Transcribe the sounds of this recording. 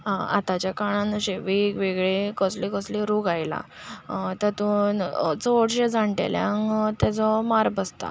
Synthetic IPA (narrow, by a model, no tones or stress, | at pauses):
ɦãa̰t̪at͡ɕjakaɽãnɕeʋikʋeɡɭekəslikəsliɾuɡajla̰ | t̪əɾt̪ũnt͡soɽɕed͡zaɳʈḛljãŋɡt̪at͡sɔmaɾbəst̪a̰